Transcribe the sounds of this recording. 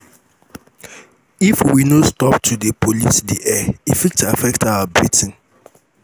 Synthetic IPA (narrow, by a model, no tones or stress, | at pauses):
ifwinostɔptʰudepʰolisdiʔɛifik̚tafɛktawabɹitʰɪ̃n̩